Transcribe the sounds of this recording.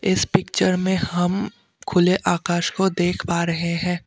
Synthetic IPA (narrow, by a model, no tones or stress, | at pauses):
ɪspɪkt͡ʃəɾmẽɦɐm | kʰʊleʔaːkaːʃkod̪eːkʰpaːɾɐɦeɦɛ̃ː